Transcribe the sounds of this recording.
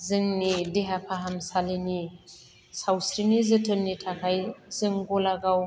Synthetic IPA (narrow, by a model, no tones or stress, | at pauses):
zɯŋnideɦapʰaɦamsalini | sawsɾinizɯtʰɯnːitʰakʰajzɯŋɡɔlaɡaw